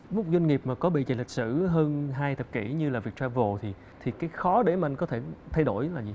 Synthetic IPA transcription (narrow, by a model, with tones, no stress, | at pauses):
mʊ˦˥k͡p̚zwa˧ŋ̟ŋi˨˩p̚maː˨˩kɔ˨˦ɓḭ˧˨ve˨˩lï˨˩k̟̚sɨ˧˨ɦəː˧nɦaː˧jt̪ʰə˨˩p̚ki˧˩ɲɨ˧laː˨˩vi˨˩ək̚t͡ɕaː˧mvo˨˩t̪ʰi˨˩ | t̪ʰi˨˩kaː˨˦jxɔ˨˦ɗe˧˩ma̰˨˩ŋkɔ˨˦t̪ʰe˧˩t̪ʰa˧jɗo˧˩jlaː˨˩zi˨˩